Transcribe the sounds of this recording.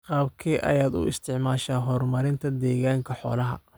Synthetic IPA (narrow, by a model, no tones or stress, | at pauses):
qɑːbkʰiːʔɐ̰jaːd̪ʊ̰ɪ̰st̪ʰɪʕmaːʃaːɦɔrmɐɾɪnt̪ʰɐd̪ɛːɣaːŋkʰɐħɔ̰ːlɐɦɐ̰